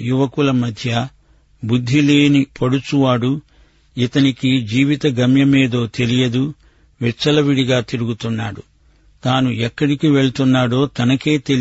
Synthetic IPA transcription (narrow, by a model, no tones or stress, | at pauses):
juʋɐkulɐmɐd̪ʱjɐ | bud̪ʱːile̞ːnipɐɽut͡ʃuʋaːɽu | it̪ɐnikid͡ʒiːʋit̪ɐɡɐmjɐmeːd̪o̞ːt̪e̞lijɐd̪u | ʋɛt͡ʃːɐlɐʋiɽiɡaːt̪iɾuɡut̪unːaːɽu | t̪aːnuɛkːɐɽikiʋe̞ɭt̪unːaːɽo̞ːt̪ɐnɐke̞ːt̪e̞l